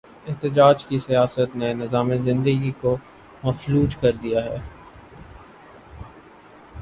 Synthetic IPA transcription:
ɪɦt̪ɪd͡ʒaːd͡ʒkisijaːsət̪nenɪzaːmezɪ̃nd̪əɡiko | mɐfluːd͡ʒkɐɾd̪ijaɦɛː

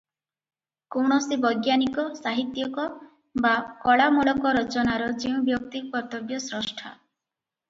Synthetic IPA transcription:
kɔwɳ̃ɔsibɔjɡjanikɔsaɦit̪jɔkɔ | bakɔɭamɔɭɔkɔɾɔt͡ʃɔnaɾɔd͡ʒiw̃bjɔk̚t̪ipɔt̪ɔɡjɔsɾɔsʈʰa̰

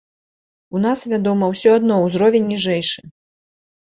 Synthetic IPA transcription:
un̪asvʲad̪ɔmɐwsʲɔad̪nɔwzɾɔvʲɛnʲːiʐɛjʂɨ

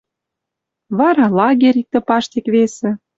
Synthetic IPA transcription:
βɑɾɑlɑɣʲeɾʲik̚t̪ə̆pɑʃt̪ekβesĕ

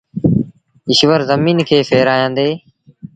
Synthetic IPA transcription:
ɪʃʋəɾzəmiːnkʰeːfʰeːɾaːjãːnd̪eː

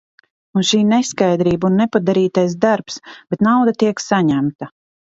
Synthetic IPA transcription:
unʃiːneskajd̪ɾiːbunːɛpad̪aɾiːt̪ajs̬d̪aɾpsb̥et̪nawd̪at̪iɛksaɲæmt̪a

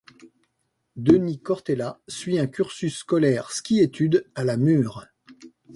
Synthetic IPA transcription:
d̪ənikɔʁt̪elasɥiɛ̃kʲyʁsysːkɔlɛʁskʲiet̪ʰyd̪alamyːʁ

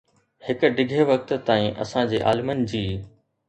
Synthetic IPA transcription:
hɪkʊ̆ɖɪɡʱeʋɐkt̪t̪aːĩʔɐ̰sãd͡ʑeːʔaːlmən̆d͡ʑiː

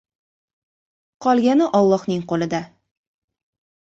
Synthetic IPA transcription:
qʰɒlˠɡʲanɪʔɒlˠːɒhnɪŋqolˠɪd̪a

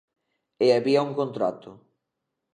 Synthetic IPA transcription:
eaβiauŋkõnt̪ɾa̰t̪ʊ

